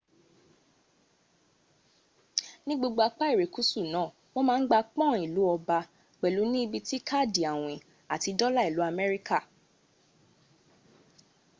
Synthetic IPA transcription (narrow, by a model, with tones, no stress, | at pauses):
nĩ˦ɡ͡bo˧ɡ͡bo˧a˧k͡pa˦i˦˨ɾe˨ku˨˦su˦˨nãː˨˦˨ | w̃ɔ̃˦mãː˦˧˦n̩˦ɡ͡ba˧k͡pɔ̃˦˨i˨lu˨˦ɔ˧ba˧ | k͡pɛ˨lu˨˦nĩ˦i˧bi˧ti˦kʰa˦˨di˨a˨w̃ĩ˨ | a˨ti˨˧dɔ˦la˦˨i˨lu˨˦a˧mɛ˦ɾi˦ka˦˨